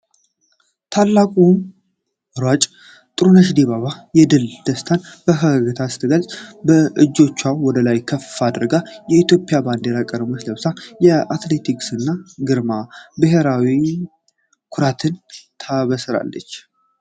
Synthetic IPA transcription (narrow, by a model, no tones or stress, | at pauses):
t̪ʰalːakʼum | ɾwat͡ʃʼ | t̪ʼɨɾunəʃ̬d̪eβaβajɛd̪ɨld̪̥əst̪ʰanb̥əɦəɡəɡət̪ʰasɨ̥t̪ʰɨɡəlsʼbəʔɨd͡ʒːo̞t͡ʃːwawɔd̪əlajkʰəfːad̪ɨɾɡajɛit̪jo̞pʼːɪjaband̪eɾakʼəɾəmot͡ʃləβsajɛat̪le̞t̪ʰikʼsɨnːaɡɨɾmabɨɦeɾawi | kʰʊɾat̪ʰɨnt̪ʰaβəsɨɾa̰lːə̰t͡ʃː